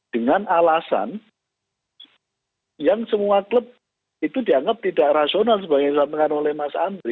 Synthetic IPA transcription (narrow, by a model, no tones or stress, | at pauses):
d̥əŋanalasa̰n | jaŋsəmuakləp̚ | it̪udiaŋɡap̚t̪idaʔrasionals̬əbaɡajsat̪əkanolɛhmasaːmd̪ɾi